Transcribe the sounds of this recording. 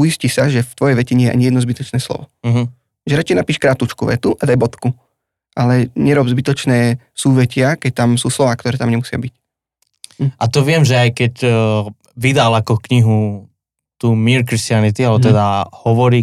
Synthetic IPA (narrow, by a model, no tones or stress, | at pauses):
ujiscisaʒɛft̪ʋɔjɛjʋɛcɛɲɛjɛʔa̰ɲijɛd̪nɔzbit̪ɔt͡ʃnɛːslɔ̰ʋɔɦ̩ | ʒɛɾat͡ʃɛjnapiːʃkɾat̪ut͡ʃkuʋɛ̰t̪uʔad̪ajbɔt̪ku | ʔalɛɲɛɾɔbzbit̪ɔt͡ʃnɛː | suːʋɛcɪakɛc̚t̪amsuːslɔʋaːk̚t̪ɔɾɛːt̪amɲɛmusɪa̰bic | at̪ɔʋɪɛmʒɛajkɛc | ʋid̪alakɔkɲiɦu | t̪uːmiɾkɾist̪ɪanit̪ialɛbɔt̪ɛd̪ahɔʋɔɾiː